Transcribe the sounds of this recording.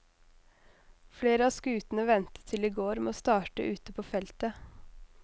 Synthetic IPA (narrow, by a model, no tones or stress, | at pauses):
fleːɾəɑːskʉːt̪n̩əʋɛnt̪ə̥t̪ʰɪliːɡoːɾmḛoːst̪ɑːʈə̰ʔʉːt̪əpʰoːfɛlt̪ə